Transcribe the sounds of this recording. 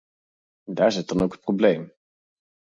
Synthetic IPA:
ndaːɹzɪt̚dɑnowkət̚problejm

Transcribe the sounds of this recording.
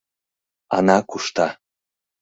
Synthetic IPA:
ɑnɑkuʃt̪ɑ

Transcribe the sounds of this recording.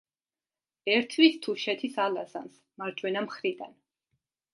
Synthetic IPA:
ɛɾt̪ʰwist̪ʰuʃɛt̪ʰisalazans | maɾd͡ʒʼwɛnamχɾid̪a̰n

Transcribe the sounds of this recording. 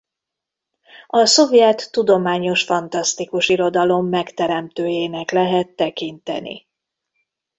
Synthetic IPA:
ɒso̞vjɛt̪ːud̪o̞maːɲo̞ʃfɒnt̪ɒst̪ikuʃiɾo̞d̪ɒlo̞mːɛkt̪ɛɾɛmt̪øːjeːnɛklɛɦɛt̪ːɛkint̪ɛ̰nḭ

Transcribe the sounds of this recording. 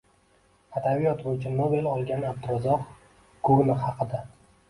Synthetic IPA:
ad̪abijɒt̪bojt͡ʃʰɪnobe̞lɒlˠɡʲanab̚d̪ʊɾɒzɒq | kʰonɪhɑqɨd̪a

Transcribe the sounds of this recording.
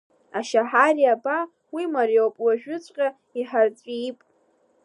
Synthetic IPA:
aʃaħariaba | wimaɾjowpʼwaʒᶣʊt͡sʷʼqʲʼa | iħart͡sʷʼipʼ

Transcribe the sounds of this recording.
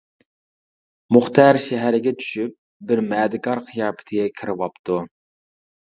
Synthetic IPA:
muχt̪ʰɑɾʃɛɦæɾɪɡʲɛt͡ʃ̪ʰy̥ʃyp̚ | bɪɾmɛːd̪ɪkɑɾqʰijɑːpʰɪ̥t̪ʰɪɡʲɛkʲʰɪɾɪwɑpt̪ʰu

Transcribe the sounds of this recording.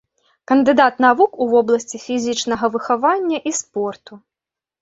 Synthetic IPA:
kɐnd̪ɨd̪at̪navukuvɔblˠɐsʲt͡sʲifʲizʲit͡ʂnɐɣɐvɨxavanʲːɐʔispɔrt̪u

